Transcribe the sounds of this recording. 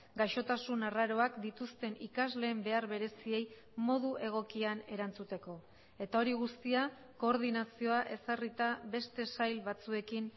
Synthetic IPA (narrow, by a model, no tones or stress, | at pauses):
ɡaʃo̞t̪asunaraɾo̞akd̪it̪ust̪e̞nikazle̞ːmbe̞aɾβe̞ɾe̞sie̞j | mo̞ðuʔe̞ɣ̞o̞kiane̞ɾant͡sut̪e̞ko̞ | e̞t̪ao̞ɾiɣust̪ia | ko̞ːɾðinasio̞aʔe̞sarit̪aβe̞st̪e̞sajlβat͡sue̞kin